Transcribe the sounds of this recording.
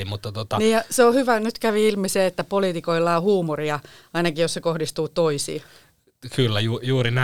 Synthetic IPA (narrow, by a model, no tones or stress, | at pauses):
mut̪ːɑt̪ot̪ɑniːjɑseohyʋænyt̪kæʋiilmiseːet̪ːæpoliːt̪ikoilːɑːohuːmoriɑɑinɑkijjossekohdist̪uːt̪oisḭː | kylːæjuːjuːrinæ